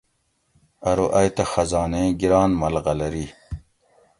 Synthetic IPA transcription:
ɐɾoʔɐjt̪ɐxɐzɑːneɡiɾaːnmɐlɣɐlɐɾi

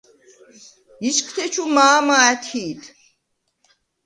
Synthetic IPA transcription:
iʃkʰt̪ʰɛt͡ʃʰumaːmaɛt̪ʰiːt̪ʰ

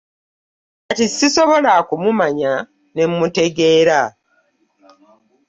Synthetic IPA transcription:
katisiso̞βo̞lakumumaɲa | ne̞mːute̞ɡe̞ːɾa

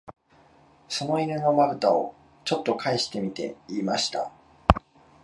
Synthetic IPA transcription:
so̞no̞iɾeno̞maɾɯ̟t̪ao̞̰ | t͡ɕo̞t̪ːo̞kʰaiɕi̥t̪e̞mʲit̪e̞̰iːmaɕi̥t̪a̰

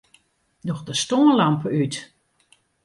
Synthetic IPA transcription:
dɔxdəstoənlampəyt

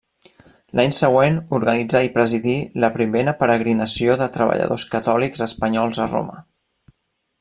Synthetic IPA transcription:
lʔaɲsəɣwenuɾɣənid͡zaipɾəziðiləpɾimeɾəpəɾəɣ̞ɾinəsioðət̪ɾəβə̰ʎə̰ðoskət̪ɔlikzəspəɲɔlˠzəro̰mə

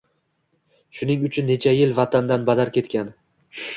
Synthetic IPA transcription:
ʃʊnɪŋʊt͡ʃʰʊnːe̞t͡ʃʰajɪlvat̪ʰand̪anbad̪aɾkʲe̞t̪kʲan

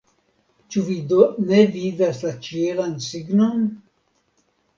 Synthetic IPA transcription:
t͡ʃuvidne̞vidaslat͡ʃielansiɡnon

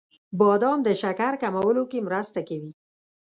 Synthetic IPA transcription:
bɑd̪ɑmd̪əʃakaɾkamawəlokemɾast̪akawi

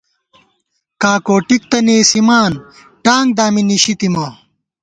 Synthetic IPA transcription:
kaːkoːʈik̚t̪ɐneːsimaːn | ʈaːŋɡd̪aːminiɕit̪imɐ

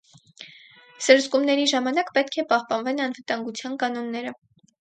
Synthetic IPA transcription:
səɾzɡumnɛɾiʒɑmɑnɑkpɛt̪̚kʰɛpɑhpɑnvɛnɑnvət̪ɑŋɡut͡sʰjɑnkɑnɔnːɛɾə

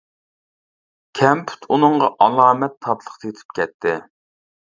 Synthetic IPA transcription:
kʲʰɛmpʰy̥t̪ʰunɨɴʁɑʔɑlˠɑːmɛt̪ʰːɑplˠəχt̪ʰjet̪ʰɪ̥p̚kʲɛt̪ʰːɪ

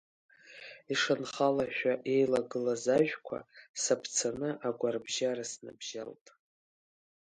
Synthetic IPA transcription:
iʂanχalaʃᶣʷaʔe̞jlaɡɨlazaʒᶣkʷʰa̰sapʰt͡sʰanɨʔaɡʷarbʒarasna̰bʒa̰ltʼ

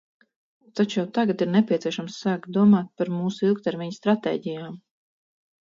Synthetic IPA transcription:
t̪at͡ʃjawt̪aɡat̪iɾnepʲit̪siɛʃamsːaːk̪̚d̪uɔmaːt̪̚paɾmuːsuilˠk̚t̪ɛɾmʲiɲst̪ɾat̪ɛ̰ːɟijaːm

